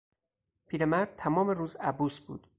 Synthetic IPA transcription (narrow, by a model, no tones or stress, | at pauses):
pʰiːɾemæɾd̪̥̚t̪ʰæmɒːmeɾuːzæbuːsbṵːd̪̥